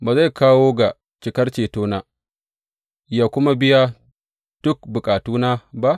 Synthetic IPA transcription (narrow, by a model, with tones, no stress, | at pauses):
baː˨za˦˨jkaː˦woː˦ɡa˨ | t͡ʃɪ˨kɐ˦rt͡ʃeː˨toː˦naː˦ | jaː˨kʷʊ˦ma˦bɪ˦ja˦ | d̥ʊ˦k̚bʊ˨kʼaː˨tuː˦naː˦ba˦ʔ